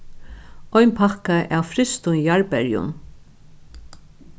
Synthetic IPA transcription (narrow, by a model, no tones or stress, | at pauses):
ɔjnpʰakaʔawfɾɪst̪ʊnjaɹpɛɹjʊ̰n